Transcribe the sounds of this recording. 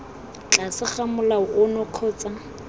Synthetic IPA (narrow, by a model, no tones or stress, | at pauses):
t͡ɬasɪχamʊlaʊʔʊnɔq͡χʰɔːt͡sʼa